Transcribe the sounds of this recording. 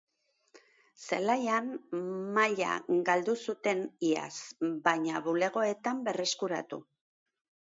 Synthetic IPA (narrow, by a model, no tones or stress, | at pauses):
selajanmaʎa̰ɡald̪usut̪e̞nia̰sbajɲaβule̞ɣ̞o̞e̞t̪ambe̞re̞skuɾa̰t̪u